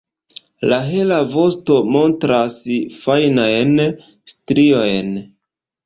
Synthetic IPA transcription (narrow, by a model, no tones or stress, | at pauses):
laɦe̞lavo̞sto̞mo̞ntɾasfajnajn | stɾiojn